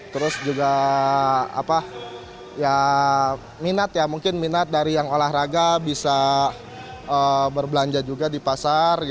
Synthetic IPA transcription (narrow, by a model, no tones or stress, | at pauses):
t̪əɾʊsd͡ʒuɡa | a̰pa | ja | minat̪jamuŋkɪnminat̪̚daɾijaŋolahraɡabisa | əbərbəlaɲd͡ʒad͡ʒuɡadipasar